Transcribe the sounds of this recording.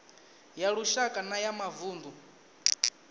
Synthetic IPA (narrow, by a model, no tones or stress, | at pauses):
jaɺuʃakʼanajamavuːnd̪u